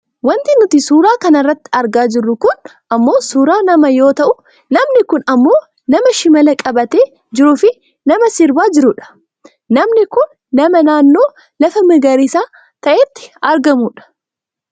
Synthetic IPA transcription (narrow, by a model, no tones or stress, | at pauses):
wɐnt̪ɪnʊt̪ɪsuːɾaːkɐnɐrːɐt̪ːɪ̥ɐɾɡaːd͡ʒɪrːʊkʊn | ɐmːo̞ːsuːɾaːnɐmɐjo̞ːt̪ɐʔʊ | nɐmnɪkʊnɐmːo̞ː | nɐmɐʃɪmɐlɐkʼɐbɐt̪e̞ː | d͡ʒɪɾʊfɪ | nɐmɐsɪɾbaːd͡ʒɪɾʊᶑɐ̥ | nɐmnɪkʊnːɐmɐnaːnːo̞ː | lɐfɐmɪɡɐɾɪsaː | t̪ɐʔeːt̪ːɪ̥ɐɾɡɐmuːᶑɐ̥